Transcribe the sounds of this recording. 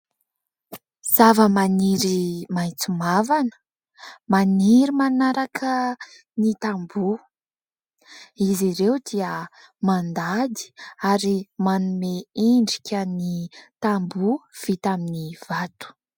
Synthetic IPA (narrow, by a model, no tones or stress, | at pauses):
z̥avəmaniɾimajt͡sumavanə̥ | maniɾimanaɾakʰə | nit̪ambu | iziɾewd̪iə | mand̪ad̪i̥aɾimanumeiɳɖ͡ʐikʲənit̪ambuv̥it̪aminiv̥at̪u̥